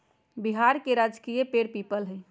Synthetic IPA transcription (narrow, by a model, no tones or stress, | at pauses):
biɦaɾkeɾad͡ʒkijepeɾpiːpəlɦə